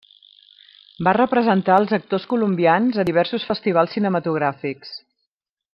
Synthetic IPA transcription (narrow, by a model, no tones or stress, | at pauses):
barəpɾəzənt̪aəlˠzək̚t̪oskulumbianzəiβ̞ɛɾsusfəst̪iβ̞alˠsːinəmət̪uɣ̞ɾafiks